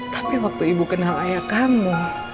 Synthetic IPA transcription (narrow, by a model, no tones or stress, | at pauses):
t̪ḁpiwak̚t̪uibukənɦaajakamu